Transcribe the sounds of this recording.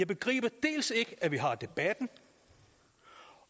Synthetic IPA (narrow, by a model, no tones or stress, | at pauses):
ɑ̈ɪb̥e̝ɡ̥ʁḭːb̥ɐd̥e̝̰ːlse̝ɡ̥əʔæʋiɦɑ̈d̥e̝b̥æd̥n̩